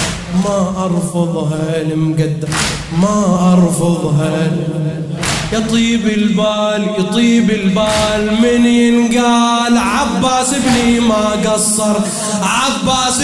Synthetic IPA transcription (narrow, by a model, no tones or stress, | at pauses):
maʔɑɾˤfɑðˤɦaːlɪmɡad̪ːa | maʔɑɾˤfɑðˤɦaːlɪ | jɑt̪ˤiːbɪlbaːljt̪ˤiːbɪlbaːlmɪninɡaːlʕabːaːsɪbnimaɡɑsˤːɑɾˤ | ʕabːaːs